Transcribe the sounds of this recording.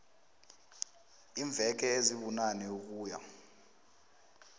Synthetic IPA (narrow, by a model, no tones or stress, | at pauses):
iːɱb̪vʱɛk̬ɛeziɓunanɛuk̬ʼuːja̰